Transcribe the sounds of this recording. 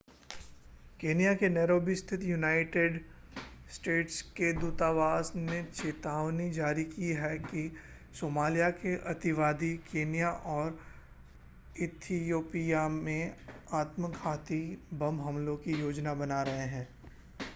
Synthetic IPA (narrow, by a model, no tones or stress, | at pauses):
keːnijakenɛːɾoːbɪst̪ʰɪt̪junaːɪʈeɖ | sʈeːʈsked̪uːt̪aʋaːsnet͡ʃeːt̪aːʋnid͡ʒaːɾikiɦɛki | soːmaːlijakeʔɐt̪ɪʋaːd̪ikʰeːnijaʔɔːɾ | ɪt̪ʰijoːpijamẽaːt̪məɡʰʱaːt̪ibɐ̃mɦɐ̃mlõkijoːd͡ʒnabɐnaɾɐɦeɦɛ̃ː